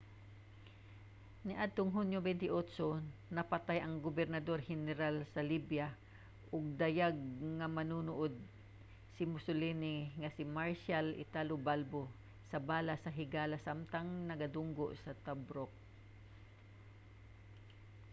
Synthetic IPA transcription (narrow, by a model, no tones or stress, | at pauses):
nɪʔad̪̚t̪oŋɦunjobɛnt̪ɪʔot̪sonɐpɐt̪ajɐŋɡobɛɾnɐd̪oɾhɛnɛɾalsɐlibja | ʔʊɡ̚d̪ɐjaɡ̚ŋɐmɐnunuʔod̪̚ | sɪmʊsʊlɛnɪŋɐsɪmaɹʃalʔɪ̰t̪alobalbo | sɐbaːlasɐɦɪɡaːlasamt̪aŋnɐɡɐd̪ʊŋɡoʔsɐt̪abɾok̚